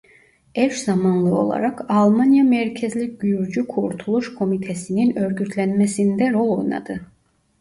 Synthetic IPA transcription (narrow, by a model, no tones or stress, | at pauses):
ɛɾʃzamanlˠɯo̞̰lˠa̰ɾakalˠmanjamɛɾcʰezlʲiɟyjyɾd͡ʒykʰuɾt̪ʰulˠuʃkʰo̞mit̪ʰɛsininø̞ɾɟyt̪ʰlʲænmɛsind̪ɛɾo̞lˠo̞jna̰d̪ɯ